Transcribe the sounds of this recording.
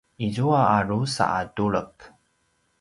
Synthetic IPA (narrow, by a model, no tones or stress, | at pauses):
ʔizuaaɾusa̰ʔaduɭək